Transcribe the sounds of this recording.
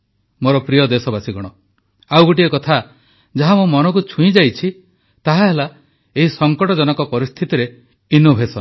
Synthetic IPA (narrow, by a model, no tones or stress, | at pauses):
moɾɔpɾijɔd̪esɔbasiɡɔɽ̃ɔ | awɡoʈ̬iekɔt̪ʰa | d͡ʒaɦamomɔnɔkut͡ʃʰuĩd͡ʒajt͡ʃʰi | t̪aɦaɦela | eɦisɔŋkɔʈɔd͡ʒɔnɔkɔpɔɾist̪ʰit̪iɾe | inɔbʱesɔn